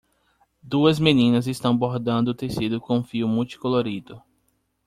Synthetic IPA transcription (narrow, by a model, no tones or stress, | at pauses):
d̪uɐzmẽnĩnɐzɪst̪ɐ̃w̃boɾd̪ɐ̃nd̪ʊːt̪esid̪ʊkõũfiʊmuwt͡ʃi̥koloɾid̪ʊ